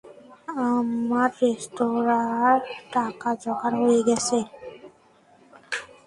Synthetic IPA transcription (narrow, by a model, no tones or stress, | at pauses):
amaɾːesʈoɾaɾʈakad͡ʒɔɡaɾɦojeɡɛsʰe